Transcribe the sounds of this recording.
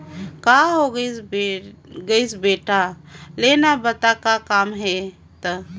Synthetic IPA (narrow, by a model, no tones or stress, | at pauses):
kaɦoɡəsbe | ɡəɪsbeʈa | lenabət̪akakamɦe | t̪ə